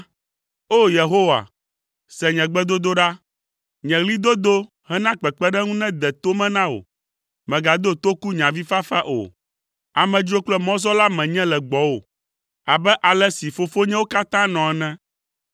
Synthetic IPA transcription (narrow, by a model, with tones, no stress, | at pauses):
o˦je˨ɦo˦wa̰˨ | sɛ˨ɲɛ̃˨ɡ͡bɛ˦d̪o˦d̪o˦ɖa˦ | ɲɛ̃˨ɣli˦d̪o˦d̪o˦ | ɦɛ˦nã˦k͡pɛ˨k͡pɛ˦ɖɛ˦ŋũ˦nɛ̃˦d̪ɛ˨t̪o˦mɛ̃˦nã˦wo̰˨ | mɛ̃˨ɡa˨d̪o˦t̪o˦ku˦ɲã˨vi˦fa˦fa˦ʔo̰˨ | a˨mɛ̃˨d͡ʒo˦k͡plɛ˦mɔ̃˦zɔ˦la˦mɛ̃˨ɲɛ̃˦lɛ˨ɡ͡bɔ˨˦wo˨ | a˨bɛ˦ʔa˨lɛ˦si˨fo˦fo˦ɲɛ̃˦wo˦ka˦t̪ã˦nɔ̃˨ɛ˨nɛ̃˦